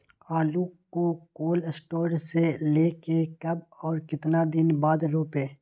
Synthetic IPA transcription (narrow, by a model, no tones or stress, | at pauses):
aːlukokoːlsʈoːɾɖseleːkekɐbɔːɾkɪt̪nad̪ɪnbaːd̪ɾoːpeː